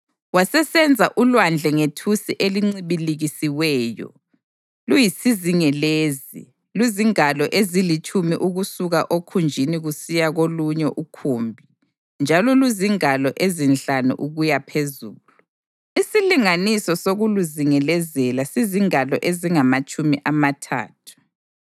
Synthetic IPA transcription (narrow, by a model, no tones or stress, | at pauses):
wasɛsɛnd͡zʱaʔulwand͡ɮʱɛŋetʰusiʔeliŋ͡ǀiβiliɣisiwɛːjɔ̰ | lujisiziŋɛleːzḭ | luziŋalɔʔezilit͡ʃʰumiʔuɣusuɣaʔokʰund͡ʒʱiniɣusijaɣoluɲɛʔukʰuːmbʱi | nd͡ʒʱalɔluziŋalɔʔezinɬanṵʔuɣujapʰezuːlu | isiliŋanisɔsoɣuluziŋɛlɛzɛlasiziŋalɔʔeziŋamat͡ʃʼumiʔamatʰa̰ːtʰu̥